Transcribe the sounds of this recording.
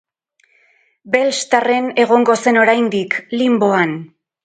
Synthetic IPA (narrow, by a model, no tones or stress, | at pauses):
be̞lst̪are̞ne̞ɣ̞o̞ŋɡo̞se̞no̞ɾajnd̪iklimbo̞an